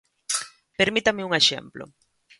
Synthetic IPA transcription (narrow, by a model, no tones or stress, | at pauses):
peɾmit̪amɪuŋeʃḛmplo̰